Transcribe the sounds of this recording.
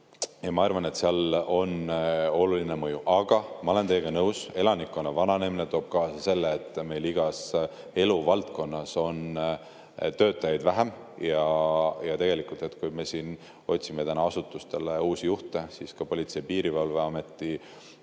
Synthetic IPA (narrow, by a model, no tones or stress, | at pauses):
jɑmɑɑrvɑne̞t̪seɑlo̞no̞luline̞mɤjuʔɑɡ̥ɑmɑo̞le̞nt̪e̞ːeɡ̥ɑnɤwse̞lɑnikːˑo̞nɑvɑnɑnemine̞t̪oːb̥̚kɑːsɑse̞lːeːt̪ːˑme̞jliɡ̥ɑs | e̞luvɑlt̪ko̞nːɑso̞n | t̪ø̞ːt̪ːˑɑjɑjd̪væɦem | jɑjɑt̪e̞ɡ̥e̞likˑult̪e̞t̪kujme̞siːn | o̞t̪ʲsime̞t̪ænɑɑsut̪ːˑust̪e̞leuːsijuht̪e̞siskɑpo̞lʲit̪se̞jpiːɾivɑlve̞ɑme̞t̪ːˑi